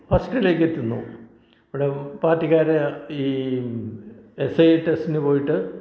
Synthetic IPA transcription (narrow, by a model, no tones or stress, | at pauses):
hɐsʈɐile̞ːkːet̪ːunːṵ | iʋiɽe̞paːtːiɣaːɾeiː | esɐjeʈːesinɨpo̞ːjiʈːɨ